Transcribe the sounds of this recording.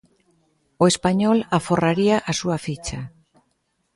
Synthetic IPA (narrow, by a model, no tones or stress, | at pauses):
oespaɲɔlaforaɾiaʔasuafit͡ʃa